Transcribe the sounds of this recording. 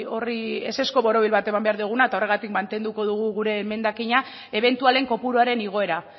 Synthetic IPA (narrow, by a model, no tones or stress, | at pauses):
o̞rie̞̰se̞sko̞βo̞ɾo̞β̞ilβat̪e̞mambe̞aɾðuɣ̞unaet̪ao̞re̞ɣat̪ikmant̪e̞nd̪uko̞ðuɣ̞uɣuɾe̞me̞nd̪akiɲa | e̞β̞e̞nt̪uale̞ŋko̞puɾuaɾe̞niɣ̞o̞e̞ɾa